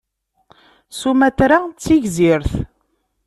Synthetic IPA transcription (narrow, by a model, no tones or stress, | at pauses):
sumætɾat͡sːiʝziɾθ